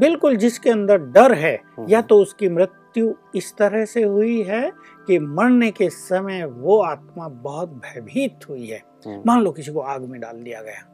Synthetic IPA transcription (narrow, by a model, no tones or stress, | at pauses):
bɪlkʊld͡ʒɪskeɐ̃nd̪əɾɖɐɾɦɛːjat̪oʊskimɾɪt̪juɪst̪ɐɾəɦseɦʊiɦɛ | kimɐɾnekesɐməjʋoaːt̪mabɐɦʊt̪̚bʱɛːbʱiːt̪ɦʊiɦɛ̰ː | maːnloːkɪsikoaːɡmẽɖa̰ːld̪ijaɡɐja̰ː